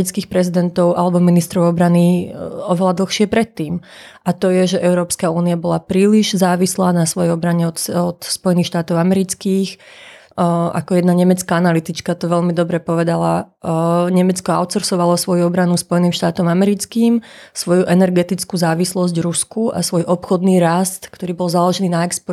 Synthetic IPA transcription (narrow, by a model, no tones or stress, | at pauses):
it͡skiːxpɾɛzid̪ɛnt̪ɔʊʔalɛbɔminist̪ɾɔʊɔbɾaniɔʋɛlad̪l̩ˠxʃɪɛpɾɛt̪ːiːm | ʔat̪ɔjɛʒɛʔɛʊɾɔːpskauːniabɔlapɾiːliʒzaːʋislaːnasʋɔjɛɔbɾaɲɛɔt̪ɔt̪spɔjɛniːxʃt̪aːt̪ɔʊamɛɾit͡skiːx | a̰kɔjɛd̪naɲɛmɛt͡skaanalit̪it͡ʃkat̪ɔʋɛʎmid̪ɔbɾɛpɔʋɛd̪ala | ɲɛmɛt͡skɔa̰ʊt̪t͡sɔɾsɔʋalɔsʋɔjuɔbɾanuspɔjɛniːmʃt̪aːt̪ɔmamɛɾit͡skiːmsʋɔjuʔɛnɛɾɡɛt̪it͡skuːzaːʋislɔzɟɾuskuʔa̰sʋɔjʔɔpxɔd̪niːɾast̪kt̪ɔɾiːbɔlzalɔʒɛniːnaɛkspɔ